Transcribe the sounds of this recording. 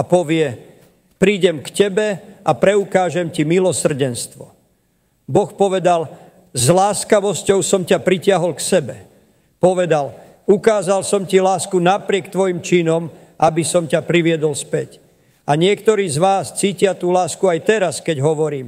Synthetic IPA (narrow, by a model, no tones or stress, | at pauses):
apɔʋɪɛ | pɾiːɟɛmkcɛbɛʔapɾɛukaːʒɛmcimilɔsr̩ɟɛnst̪ʋɔ | bɔxpɔʋɛd̪al | zlaːskaʋɔscɔʊsɔmcapɾicɪaɦɔlksɛbɛ | pɔʋɛd̪al | ukaːzalsɔmcilaːskunapɾɪɛkt̪ʋɔjimt͡ʃinɔm | ʔabisɔmcapɾiʋɪɛd̪ɔlspɛc | aɲɪɛkt̪ɔɾiːzʋaːst͡siːcɪat̪uːlaːskuajt̪ɛɾaskɛɟɦɔʋɔɾiːm